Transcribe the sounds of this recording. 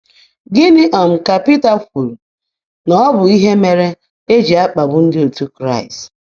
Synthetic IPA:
ɡɪ˦nɪ˦ʔɔ˨m̩˨ka˨pi˦ta˨fʷu˨l | nɔ˨˦ɔ˦bʊ˨i˦ɦe˦me˨ɾe˦ | e˦d͡ʒi˨a˦k͡pa˨bʊ˦n̩˦dɪ˦o˨tu˦kɾa˦˨ɪ˨st

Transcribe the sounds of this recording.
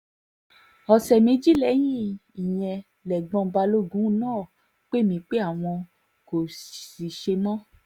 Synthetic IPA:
ɔ˨sɛ˨mĩ˧˦d͡ʒi˦lɛ˨˦j̃ĩ˦i˨j̃ɛ̃˧ | lɛ˨ɡ͡bɔ̃˧ba˧lo˦˨ɡũ˨˦nãː˦˨ | k͡pe˦mĩ˧k͡pe˦a˦˨w̃ɔ̃˧ | ko˨si˨ʃe˧mɔ̃˦

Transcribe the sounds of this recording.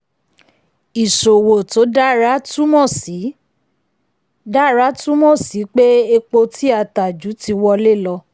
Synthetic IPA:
i˨ʃo˨wo˨to˨˦da˦ɾa˦tu˦mɔ̃˦˨si˨˦ | da˦˨ɾa˦tu˦mɔ̃˦˨si˨˦k͡pe˦e˧k͡po˧ti˦a˧˨ta˨d͡ʒu˨˦ti˧wɔ˧le˦˨lɔ˧

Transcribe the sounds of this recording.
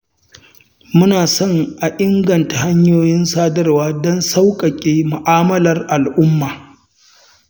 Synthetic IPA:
mʊ˦naː˨sɔ˦˨ŋʔa˨ʔɪ˦ŋɡɐ˨nta˨ha˦ɲjoː˦jɪ˦nsaː˦dɐ˦rwaː˦dɔ˦nsa˦wkʼɐ˨kʲʼeː˦mʊ˨ʔaː˦mɐ˦lɐ˨rʔa˨lʔʊ˦mːaː˨

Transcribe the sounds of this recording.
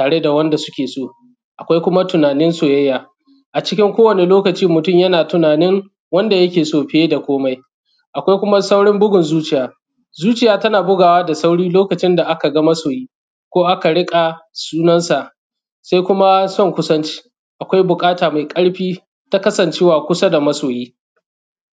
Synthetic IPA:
taː˨ɽe˦da˨wɐ˦nda˨sʊ˦kʲeː˨soː˦˨ | ʔa˨kʷa˦jkʷʊ˦ma˦tʊ˨naː˨nɪ˦nsoː˨jɐ˦jːaː˨ | ʔa˨t͡ʃɪ̥˦kʲɪ˦ŋkʷoː˦wɐ˨ne˨loː˦kɐ˨t͡ʃiː˦mʊ˨tʊ˦mjɐ˦naː˨tʊ˨naː˨nɪ˦ŋ | wɐ˦nda˨jɐ˦kʲeː˨soː˨ɸɪ˦e˦da˨kʷoː˦ma˦j | ʔa˨kʷa˦jkʷʊ˦ma˦sa˦wɽɪ˦mbʊ˦ɡʊ˨nzuː˦t͡ʃɪ˨jaː˨ | zuː˦t͡ʃɪ˨jaː˨tɐ˦naː˨bʊ˦ɡaː˨waː˦da˨sa˦wɽiː˦loː˦kɐ˨t͡ʃɪ˦nda˨ʔa˦ka˨ɡɐ˦mɐ˦soː˨jiː˦ | kʷoː˦ʔa˦ka˨ɽɪ˦kʼa˨suː˦nɐ˦nsa˨ʔ | sa˦jkʷʊ˦ma˦sɔ˦ŋkʷʊ˦sɐ˦nt͡ʃi̥ː˦ | ʔa˨kʷa˦jbʊ˨kʼaː˦taː˨ma˨jkʼɐ˦ɽɸiː˦ | ta˦kɐ˦sɐ˨nt͡ʃeː˦waː˨kʷʊ˦sa˦da˨mɐ˦soː˨jiː˦

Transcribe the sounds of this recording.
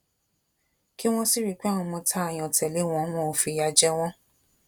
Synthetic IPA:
ki˦w̃ɔ̃˦si˦ɾi˨˧k͡pɛ˦˨wɔ̃˧mɔ̃˧tʰa˦a˨j̃ɔ̃˨tɛ˨le˨˦w̃ɔ̃˦w̃ɔ̃˦o˨fi˧˦ja˧d͡ʒɛ˦w̃ɔ̃˦

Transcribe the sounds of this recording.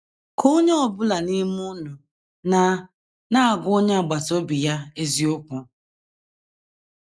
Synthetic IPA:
kʰo˦ɲe˦ɔ˨bʊ˦la˨ni˦m˦ʊ˦nʊ˨ | na˨ | na˦a˨ɡʊ˦o˦ɲe˦a˨ɡ͡ba˨to˦bi˨ja˦e˦zi˦o˦kʷʊ˨

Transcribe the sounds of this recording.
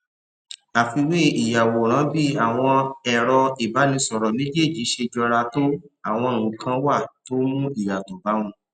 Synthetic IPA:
a˨fi˧we˦i˨ja˨wo˨ɾ̃ã˨˦bi˦a˦˨w̃ɔ̃˧ɛ˨ɾɔ˧i˨ba˨˦nĩ˧sɔ˨ɾɔ˨le˨˦d͡ʒe˦˨d͡ʒi˨˦ʃe˧d͡ʒɔ˧ɾa˧to˦a˦˨w̃ɔ̃˧nũ˨kʰã˧˦wa˦˨to˦mũ˦i˦˨ja˨to˨ba˨˦w̃ũ˧

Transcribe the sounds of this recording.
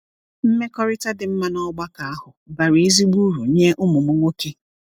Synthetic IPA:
m̩˦me˦kɔ˦ɾɪ˦ta˦dɪ˨m̩˦ma˦nɔ˦ɡ͡ba˦ka˨a˦hʊ˨ba˨ɾe˨˦e˦zi˦ɡ͡bu˦ɾu˨ɲe˦ʔʊ˦mʊ˨mʊ˦ŋʷo˦ke˦

